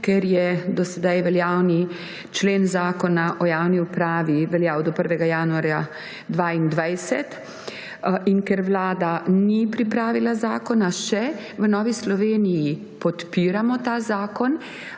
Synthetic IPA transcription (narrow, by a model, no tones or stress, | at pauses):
kɛɾjɛd̪ɔsɛd̪ajʋɛljaːwni | t͡ʃleːnzaːkɔnaʔɔjaːwniupɾaːʋiʋɛljaːwd̪ɔpəɾʋɛɡajaːnuaɾja | d̪ʋaind̪ʋajsɛt̪ | inkɛɾʋlaːd̪anipɾipɾaːʋilazaːkɔnaʃɛ | ʋənɔːʋislɔʋeːniji | pɔt̪piːɾamɔt̪aːzaːkɔn